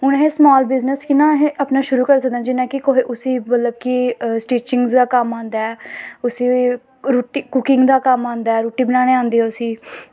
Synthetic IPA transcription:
ɦʊñɦeːsmaːlbɪznəskɪnãːɦeʔapnaːʃʊɾuːkəɾs̬ək̚d̪ñːd͡ʒɪnãːkɪkoɦeːʔʊsiːmət̪ləb̚kisʈiːt͡ʃɪŋɡzd̪aːkəmãːnd̪aːɛʊsiː | ɾuːʈiːkʊkɪ̃ŋɡd̪aːkəmãːnd̪aːɛːɾuːʈiːbənaːɽ̃eːãːnd̪iɛːʊsiː

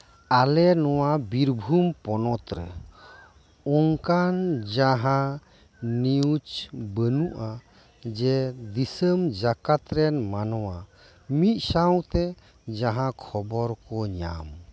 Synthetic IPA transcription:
alɛnɔwabiɾbʱumpɔnɔt̪ɾɛ̰ | ɔŋkand͡ʒaɦã | niut͡ʃbənuʔa | d͡ʒɛd̪isəmd͡ʒakat̪ɾɛnmanɔwa | mit̪̚ˀsaw̃t̪ɛ | d͡ʒaɦãkʰɔbɔɾkɔɲa̰m

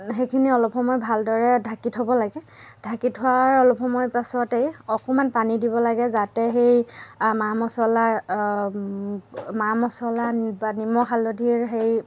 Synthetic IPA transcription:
xejkʰiniɔlɔpxɔmɔjbʱaldɔɹɛdʱakitɦobɔlaɡɛ | d̥ʱakitɦʊaɹɔlɔpʰɔmɔjpasɔtejɔkɔmanpanidibɔlaɡɛzatɛɦejmamɔsɔla | mamɔsɔlanbanimɔxalodʱiɹɦej

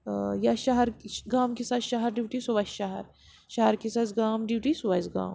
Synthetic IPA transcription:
jaʃɐɦɐɾɡaːmkisaːt̪ʃaɦɐɾɖiʋʈisuʋɐsʃɐɦɐ̰ɾ | ʃɐɦɐɾkisazɡaːmɖiʋʈisuʋazɡa̰ːm

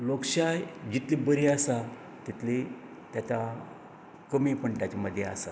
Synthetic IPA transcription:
lokɕajd͡ʑit̪libəɾiasa | t̪it̪li | t̪jat̪a | kəmipəɳʈat͡ɕaməd̪ʱːjeasa

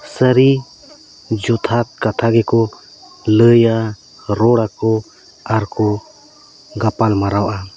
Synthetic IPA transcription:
səɾi | d͡ʒɔt̪ʰat̪̚kat̪ʰaɡɛkɔ | ləja | ɾɔɽakɔ | aɾkɔ | ɡapalmaɾawʔa

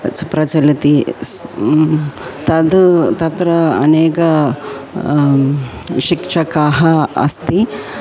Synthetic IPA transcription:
t͡spɾɐt͡ʃɐlit̪is | t̪ɐd̪t̪ɐt̪ɾɐɐ̰neːkɐ | ʃikʂɐkaːɦɐɐ̰st̪i

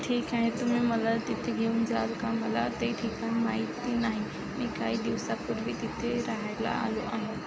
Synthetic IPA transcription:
ʈʰiːkaːɦẽt̪ʊmẽmɐlalt̪ɪt̪ʰeɡʱeʊnd͡ʑaːlkãmɐlat̪ɐiʈʰiːkanmaːit̪inaːɦĩ | nɪkaːiɗiʋsapʊɾbʱit̪ɪt̪ʰeɾaɦela̰a̰ːloʔa̰ːɦĩ

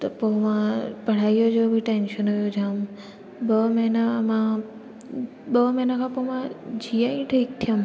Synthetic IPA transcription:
t̪ɔpomãpəɽ̤aijod͡ʒobʱiʈenʃənɦojod͡ʒãm | bəmenamã | bəːmenakʰãpomãd͡ʒijãĩʈʰəik̚t̪ʰijəm

